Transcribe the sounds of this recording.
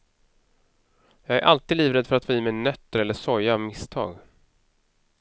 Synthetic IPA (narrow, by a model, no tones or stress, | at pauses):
jɑːɡæɾʔalt̪iːd̪iːvɾɛd̪fœɾat̪foːiːmɛjnœt̪ːəɾɛlːəʂɔɾjavmɪst̪ʰɑ̰ːɡ